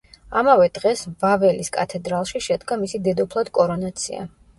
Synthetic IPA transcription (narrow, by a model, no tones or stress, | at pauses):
amavɛd̪̥ʁɛsvavɛliskʼa̰t̪ʰɛd̪ɾalˠʃiʃɛd̪ɡamisid̪ɛd̪ɔpʰlˠad̪kʼɔɾɔnat̪sʰḭa̰